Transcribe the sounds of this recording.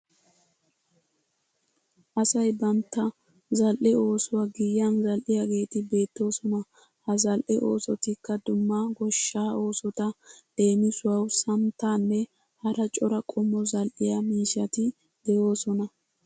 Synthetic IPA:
ʔɐsɐjbɐmt̪ːɐ | zɐlʔɛo̞ːsʊwɐɡɪjːɐnzɐlʔɪjaɡe̞ːt̪ɪbe̞ːt̪ːo̞ːsɔnɐ | hɐzɐlʔɛʔo̞ːsɔt̪ɪkːɐd̪ʊmːaɡɔʃːaːo̞ːsɔt̪ɐd̪̥e̞ːmɪsʊwɐwsɐmt̪aːnːɛ | hɐɾɐt͡ʃʼɔɾɐkʼɔmːɔzɐlʔɪjɐmiːʃɐt̪ɪ | d̪̥ɛjo̞ːsɔnɐ

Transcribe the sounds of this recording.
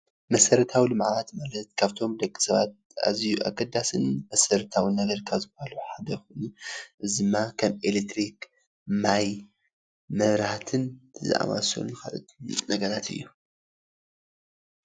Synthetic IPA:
mɐsɐɾɐt̪ʰawilɨmʕβat̪malɐt̪kʰaβt̪ʰo̞md̪ɐkʼːi̥sɐβa̰t̪̚a̰zijuʔa̰kʼːɐd̪asɨnmɐsɐɾɨt̪ʰawinɐɡɐɾkʰaβzɨbaluħad̪ɐxunuʔɨzɨmːakʰɐmelet̪ɾik | maj | mɐβɾat̪ʰɨnzɨ̰ʔa̰ma̰so̰nɨxa̰lɐ̰t̪nɐɡɐɾat̪ʰɨ̰jːu

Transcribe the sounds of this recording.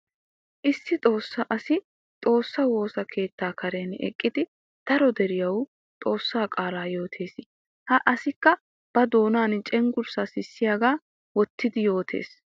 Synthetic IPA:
ʔɪsːɪt̪ʼo̞ːsːɐʔɐsɪ | t̪ʼo̞ːsːɐwo̞ːsɐkʰe̞ːt̪ːaːkɐɾeːnɛ̰kʼːɪd̪ɪ | d̪̥ɐɾɔd̪ɛɾɪjɐw | t̪ʼo̞ːsːaːkʼaːlaːjo̞ːt̪ʰe̞ːs | hɐʔɐsɪkːɐ | b̥ɐd̪o̞ːnaːnt͡ʃʼɛŋɡʊɾsasɪsːɪjaːɡaː | wɔt̪ːɪd̪ɪjo̞ːt̪ʰe̞̰ːs

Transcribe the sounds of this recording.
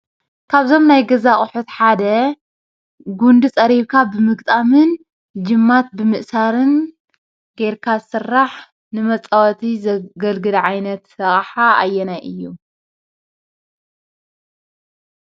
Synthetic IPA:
kʰaβzo̞mnajɡɐzaχʼʊħut̪ħad̪ɐ | ɡund̪ɨt͡sʼɐɾiβkʰabɨmɨɡt̪ʼamɨn | d͡ʒɨmːat̪̚bɨmɨʔsaɾɨn | ɡ̥eɾkʰazsɨrːaħ | nɨmɐt͡sʼawɐt̪ʰizɐɡɐlɡɨlʕajnɐt̪ːɐχʼħaajːɛnajʔɨjːu

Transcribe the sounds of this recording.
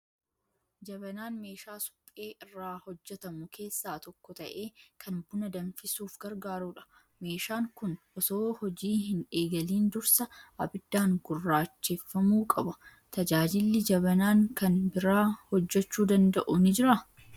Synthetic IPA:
d͡ʒɐbɐnaːnme̞ːʃaːsʊ̥pʼːe̞ːʔɪrːaːhɔd͡ʒːɛt̪ɐmʊkʰe̞ːsːaːt̪ɔkːɔt̪ɐʔeːkʰɐnbʊnɐd̪ɐnfɪsuːfɡɐɾɡaːɾuːᶑɐ̥ | me̞ːʃaːŋkʊn | ɔsoːhɔd͡ʒiːhɪneːɡɐliːnd̪ʊɾsɐɐ̰bɪd̪ːaːŋɡ̥ʊrːaːt͡ʃːefːɐmuːkʼɐbɐ | t̪ʰɐd͡ʒaːd͡ʒɪlːɪd͡ʒɐβɐnaːŋkɐnbɪɾaːhɔd͡ʒːɛt͡ʃːuːd̪ɐnd̪ɐʔuːnɪd͡ʒɪɾɐ

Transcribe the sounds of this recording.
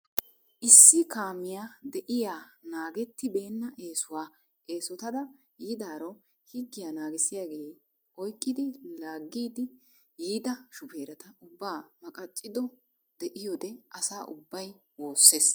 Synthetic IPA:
ʔɪsːɪkaːmɪjaːd̪ɛʔɪjaːnaːɡɛt̪ːɪbe̞ːnːɐʔe̞ːsʊwaː | ʔe̞ːsɔt̪ɐd̪ɐ | jiːd̪aːɾɔ | hɪɡːɪjaːnaːɡɪsɪjaːɡe̞ː | ʔɔjkʼːɪd̪ɪlaːɡːiːd̪ɪ | jiːd̪ɐʃʊpe̞ːɾɐt̪ɐʊbːaːmɐkʼɐt͡ʃʼːɪd̪ɔ | d̪ɛʔɪjɔd̪ɛʔɐsaːʔʊbːɐj | wo̞ːsːeːs

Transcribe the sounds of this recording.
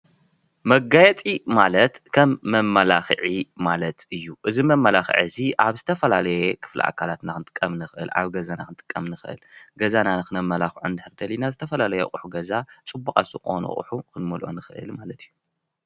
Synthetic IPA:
mɐɡajɛt̪ʼimalɐt̪kʰɐmːɐmːɐlaxʕimalɐt̪ɨjːuʔɨzimɐmːɐlaxʕɨziʔaβzɨt̪ʰɐfɐlalɐjekʰɨ̥flɨ̰ʔa̰kʰalat̪nakɨnt̪ʼɨ̥kʼːɐmnɨxɨʔɨ̰la̰βɡɐzanakɨnt̪ʼɨ̥kʼːɐmnɨxʔɨ̰lɡɐzanankɨnɐmːɐlaxʕund̪ɨħɨɾd̪ɐlinazɨt̪ʰɐfɐlalɐjɛχʼuħuɡɐzat͡sʼɨbːukʼazɨxo̰nṵχʼṵħukɨnmɐlʔo̰nɨxɨʔɨ̰lmalɐt̪ʰɨjːu

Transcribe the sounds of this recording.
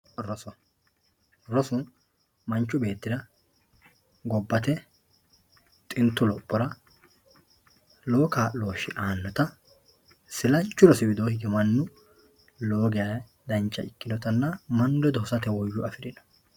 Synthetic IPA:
ɾɔsɔ | ɾɔsʊn | mɐnt͡ʃːʊbe̞ːt̪ːɪd̪ɐ | ɡɔbːɐt̪ɛ | t̪ʼɪnt̪ːʊlɔpʼːɔɾɐ | lo̞ːkaːlo̞ːʃɪʔaːnːɔt̪ɐ | sɪlɐnt͡ʃːʊɾɔsɪbɪd̪oːhɪɡɛmɐnːʊ | loːɡɪja | d̪ɐnt͡ʃːɐ̰ɪkːɪd̪ɔt̪ɐnːɐmɐnd̪ɔd̪ɔhɔsɐt̪ɛwɔjːʊɐfɪɾɪnɐ̥

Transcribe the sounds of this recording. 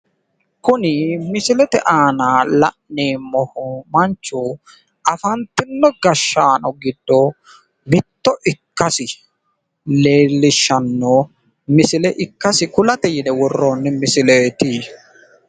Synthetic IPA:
kʊnɪmɪsɪlɛt̪ɛʔaːnaːlɐ̰ʔneːmɔhɔmɐnt͡ʃːu | ɐfɐnt̪ːɪnːɔɡɐʃːaːnɔɡɪd̪ːɔ | mɪt̪ːɔʔɪkːɐsɪ | leːlːɪʃːɐnːo | mɪsɪlɛʔɪkːɐsɪkʊlɐt̪ɛjɪnɛwɔrːoːnːɪmɪsɪleːt̪iː

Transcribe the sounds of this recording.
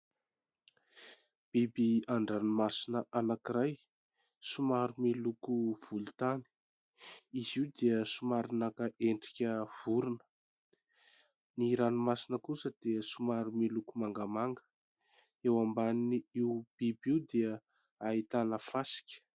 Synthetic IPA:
b̥ibiaɳɖ͡ʐanumasinəʔanakiɾaj | sumaɾumilukuv̥ulut̪ani̥ | iziwd̪eəsumaɾinakəʔeɳɖ͡ʐikʲəv̥uɾunə̥ | niɾanimasinəkusəd̪̥eəsumaɾumilukumaŋɡəmaŋɡə̥ | ewambaniniiwb̥ibiwd̪eə | ait̪anəfasi̥kʲə̥

